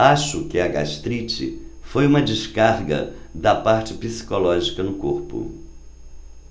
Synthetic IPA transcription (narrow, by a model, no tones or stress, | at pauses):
aʃʊkɪɐɡa̰ʃt̪ɾit͡ʃɪ̰fojũmɐd͡ʒɪʃkaɾɡɐ̰d̪ɐpaɾt͡ʃɪpisi̥kolɔʒikɐnʊkoɾpʊ̰